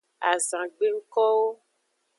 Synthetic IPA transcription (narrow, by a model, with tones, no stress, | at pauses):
a˨zã˨ɡ͡be˦ŋ̩˦kɔ˦wo˦